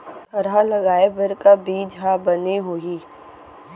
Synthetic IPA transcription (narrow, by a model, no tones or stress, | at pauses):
t̪ɐɾalɐɡaːebɐɾkabiːd͡ʒʱɦabɐneɦoiː